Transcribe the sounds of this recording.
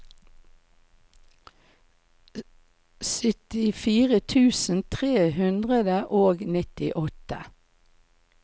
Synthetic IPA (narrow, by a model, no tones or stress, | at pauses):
sʏt̪ɪfiːʁət̪ʰʉːsn̩t̪ʰʁeːhʉnd̪ʁəd̪əʔoːɡnɪt̪ɪʔɔt̪ə